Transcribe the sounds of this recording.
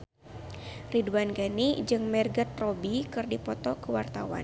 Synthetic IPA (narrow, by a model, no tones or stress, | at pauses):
riduanɡanid͡ʒɨŋmɛrɡat̪̚rɔbikɨrdipɔt̪ɔkəwart̪awa̰n